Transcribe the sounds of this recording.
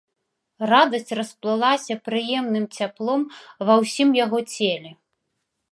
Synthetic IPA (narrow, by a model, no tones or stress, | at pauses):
rad̪ɐsʲt͡sʲrɐsplˠɨlˠasʲɐpɾɨjɛmnɨmt͡sʲaplˠɔmvɐwsʲimjaɣɔt͡sʲelʲɛ